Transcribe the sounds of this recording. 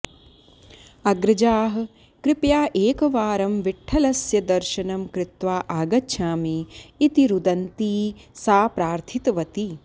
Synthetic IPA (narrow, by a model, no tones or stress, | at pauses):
ɐɡɾɐd͡ʒaːɦɐ̆ | kɾɪpjaːʔeːkɐʋaːɾɐmʋiʈʰːɐlɐsjɐd̪ɐɾʃɐnɐmkɾɪt̪ʋaːʔaːɡɐtːʃʰaːmiːt̪iɾud̪ɐnt̪iːsaːpɾaːɾt̪ʰit̪ʋɐt̪i